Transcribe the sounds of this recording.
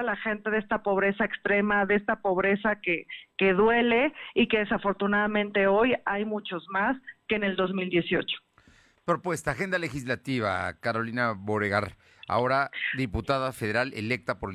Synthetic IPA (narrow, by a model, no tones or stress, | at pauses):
alaxe̞nt̪e̞ðest̪apo̞β̞ɾe̞saekst̪ɾe̞maðeest̪apo̞β̞ɾe̞sakeke̞ðwe̞le̞ike̞ðe̞safo̞ɾt̪unaðamẽ̞nt̪e̞o̞jajmut͡ʃo̞zmaske̞ːne̞ld̪ozmild̪je̞sjo̞̰t͡ʃo̥ | pɾopwest̪aːxe̞nd̪ale̞xizlat̪iβa̰kaɾo̞linaβoɾeɣaɾ | a̰o̞ɾaðiput̪aðafeðe̞ɾalʔḛlek̚t̪apoɾe